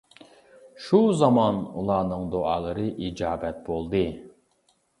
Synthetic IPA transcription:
ʃuzɑmɑnṵlˠɑːnɨŋd̪oɑlˠɨɾɨʔid͡ʒɑːbɛt̪̚bolˠd̪ɨ

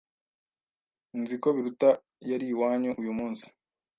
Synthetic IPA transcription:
nzikoβiɾuta | jaɾiːwaːɲuʔujumuːnsi̥

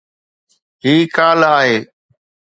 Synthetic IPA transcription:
ɦiːkaːlaːɦeː

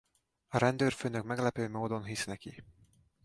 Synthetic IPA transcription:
ɒɾɛnd̪øːrføːnøkmɛɡlɛpøːmoːd̪o̞nɦisnɛki

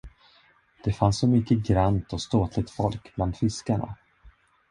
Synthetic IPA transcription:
d̪̥ɛfansːɔmʏkːəɡɾant̪ɔst̪oːt̪ʰlɪɡ̚t̪fɔlkb̥land̪fɪskaɳa̰

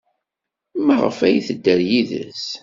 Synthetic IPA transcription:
mæʁə̰fæjθəd̪ːəɾjiðə̰s

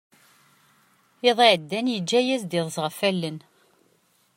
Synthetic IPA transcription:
eðˤiʕəd̪ːænjəd͡ʒːæjæzd̪iðˤzˤʁəfælːən

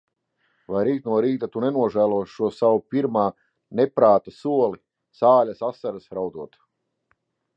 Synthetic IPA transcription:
vajɾiːt̪̚nuɔɾiːt̪at̪unɛnuɔʒæːlˠuɔʃːuɔsawupʲiɾmaː | nepɾaːt̪asuɔlˠi | saːlʲasasaɾasɾawd̪uɔt̪

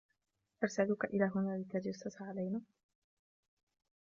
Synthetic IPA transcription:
ʔɑɾˤsalʊkaʔɪlaːɦʊnaːlɪt̪ːad͡ʒasːʊsʕalajnaː

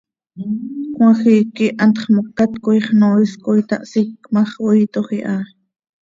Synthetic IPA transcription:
kw̃ɑxikiʔɑnt̪χmokːat̪kojχnoːʔiskojt̪ɑ̰ʔsikmɑχojt̪oχiʔɑ

